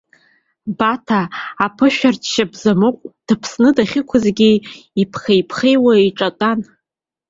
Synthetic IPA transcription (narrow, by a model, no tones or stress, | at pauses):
batʰaːpʰɨʃᶣartʰʃabzamɨqʷʼd̥ɨpʰsnɨdaχʲɪkʷʰʊzɡʲiipʰχejpʰχejwaiʈ͡ʂʼatʼan